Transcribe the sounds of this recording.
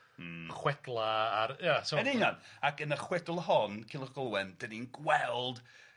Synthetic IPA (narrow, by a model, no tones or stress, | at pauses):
χwɛdlˠaaɾjasoənɪnjanakʰənəχwɛdʊlˠɦɔnkʰɪlˠəɡ̥ɔlˠwɛnd̥ədinɡwɛlˠd